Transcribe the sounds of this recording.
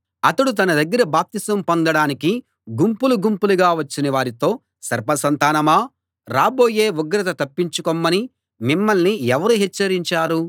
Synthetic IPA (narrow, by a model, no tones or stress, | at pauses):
ɐt̪ɐɽut̪̬ɐnɐd̪ɐɡːɐɾɐbaːp̚t̪isɐmpond̪ɐɽaːniki | ɡumpuluɡumpuluɡaːʋɐt͡ʃːinɐʋaːɾit̪o̞ː | sɐɾpɐsɐnt̪aːnɐmaː | ɾaːbo̞ːje̞ːuɡɾɐt̪ɐt̪ɐpːiɲt͡ʃukomːɐni | mimːɐlniɛʋɐɾuɦɛt͡ʃːɐɾiɲt͡ʃaːɾu